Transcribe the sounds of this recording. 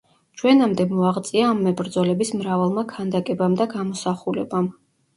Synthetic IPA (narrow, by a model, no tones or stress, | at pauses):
t͡ʃʰwɛnamd̪ɛmɔaʁt̪sʼiaːmːɛbɾd̪zɔlɛbismɾavalˠmakʰand̪akʼɛbamd̪aɡamɔsaχulɛ̰bam